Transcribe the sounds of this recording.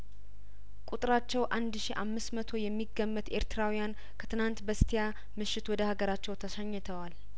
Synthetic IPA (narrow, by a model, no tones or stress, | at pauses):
kʼut̪ʼɨɾat͡ʃːɛwʔand̪ʃiʔamːɨsmət̪ʰo̞jɛmːiɡːəmːət̪e̞ɾt̪ʰɨɾawijan | kʰə̥t̪ʰɨnant̪bəst̪ʰija | mɨʃːɪt̪wɔd̪əhaɡəɾat͡ʃːɛwt̪ʰəʃəɲːɨt̪ʰəwal